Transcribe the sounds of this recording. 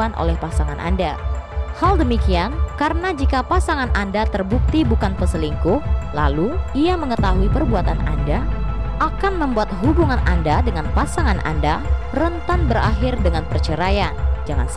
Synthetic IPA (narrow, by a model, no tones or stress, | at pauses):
anʔo̰lɛhpasaŋanʔa̰ndahaldəmikiankaɾənad͡ʒikapasaŋanʔandat̪ərbuk̚t̪ibukanpəsəliŋkʊhla̰luʔiaməŋət̪aɦuipərbuat̪ana̰ndaʔakanməmbuat̪̚ɦubuŋanʔandadəŋanpasaŋanʔa̰nda | rənt̪anbəɾa̰ɦɪrdəŋanpərt͡ʃəɾajand͡ʒaŋa̰ns